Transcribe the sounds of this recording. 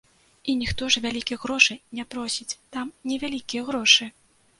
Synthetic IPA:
inʲixt̪ɔʐvʲalʲikʲijɣɾɔʂɨnʲɛpɾɔsʲit͡sʲt̪amnʲɛvʲalʲikʲijɛɣɾɔʂɨ

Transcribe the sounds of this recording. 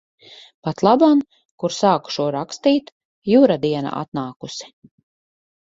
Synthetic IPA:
pat̪lˠaban | kuɾsaːku̥ʃuɔɾakst̪iːt̪ | juːɾad̪iɛna̰a̰t̪naːkusi̥

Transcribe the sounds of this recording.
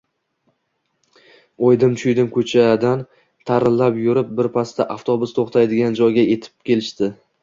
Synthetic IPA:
ojd̪ɪmt͡ʃʰʊjd̪ɪmkʲʰɵt͡ʃʰad̪an | t̪ʰaɾɪnlːapjʊɾɪp̚bɪɾpʰast̪ʰaʔaft̪ʰobʊst̪ʰoχt̪ʰajd̪ɪɡʲand͡ʒɒjɡʲaje̞t̪ʰɪ̥p̚kʲe̞lɪʃt̪ɪ

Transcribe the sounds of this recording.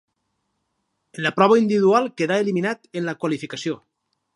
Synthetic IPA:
enlapɾɔβ̞aind̪iβiðualˠkeðaeliminat̪enlakwalifikasio

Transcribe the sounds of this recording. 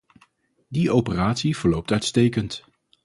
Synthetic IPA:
diowpəraːtsiv̥əɹlowp̚tœɥtstejkənt

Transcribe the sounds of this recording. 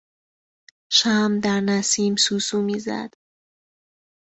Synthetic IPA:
ʃæːmd̪æɾnæsiːmsuːsuːmiːzæ̰d̪̥

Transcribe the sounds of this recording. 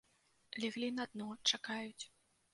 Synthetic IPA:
lʲɛɣlʲinad̪̚nɔt͡ʂakajut͡sʲ

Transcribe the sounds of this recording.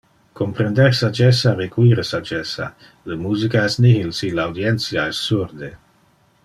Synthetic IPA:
kompɾend̪eɾsad͡ʒɛsarekwiɾəsad͡ʒɛsa̰ | ləmuːzikaɛsnihilsilawd̪iensiaɛsːuɾd̪e

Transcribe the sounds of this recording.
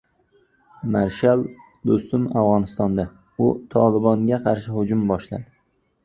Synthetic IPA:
maɾʃalˠ | d̪ost̪ʊmavʁɒnɪst̪ɒnd̪a | ʊt̪ʰɒlɪbɒŋɡʲaqʰɑɾʃɪhʊd͡ʒʊmbɒʃla̰d̪ɪ

